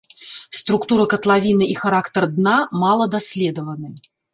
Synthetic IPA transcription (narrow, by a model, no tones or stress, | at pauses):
st̪ɾukt̪uɾɐkɐt̪lˠavʲinɨʔixaɾakt̪ɐrd̪namalˠɐd̪asʲlʲɛd̪əvɐnɨ